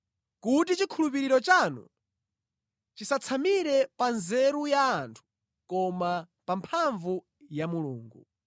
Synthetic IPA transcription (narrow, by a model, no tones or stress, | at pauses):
kutit͡ʃikʰulup̬iɾiɾɔt͡ʃanṵ | t͡ʃisat͡sʰamiɾɛpanzɛɾujaːntʰu̥ | kɔma | pampʰaɱvu | jamuluːŋɡṵ